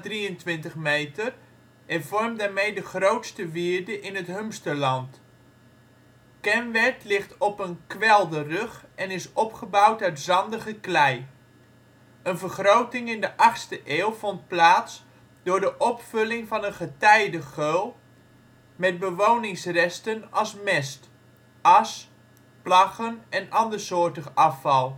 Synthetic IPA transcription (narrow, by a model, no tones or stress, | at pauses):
driəntʋɪntəχmejtər | ɛvɔrmdaːɹmejdəχrowtstəʋɪːɹdəʔɪnətɦømstəlɑnt | kɛnʋɛɹtlɪχtɔpənkʋɛlˠdərøχɛnɪsɔpχəbawtœɥtzɑndəɣəklɛj | ənvəɹχrowtɪŋɪndəʔɑχstəʔeːwˠvɔnt̚plaːts | d̥ʊːɹdəʔɔpfɵlɪŋvɑnənχətɛjdəχølˠ | mɛd̚bəʋownɪŋsrɛstənɑlˠsmɛst | ɑs | plɑχənɛnɑndəɹsoːtəχɑfɑlˠ